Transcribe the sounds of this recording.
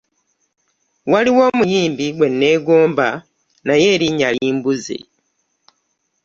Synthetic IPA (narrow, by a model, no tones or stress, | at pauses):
waliwo̞ːmujiːmbiɡwe̞nːe̞ːɡoːmba | najeɾiɲaliːmbuzḭ